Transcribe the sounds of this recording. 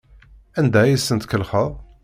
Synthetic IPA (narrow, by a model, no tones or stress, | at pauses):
ænd̪æjəsːənt̪kəlχəðˤ